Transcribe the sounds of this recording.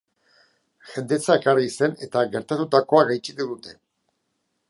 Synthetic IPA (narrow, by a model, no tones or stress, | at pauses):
ʝe̞nd̪et͡saekarise̞ne̞t̪aɣe̞ɾt̪at̪ut̪ako̞aɣajt͡ʃit̪uðut̪e̞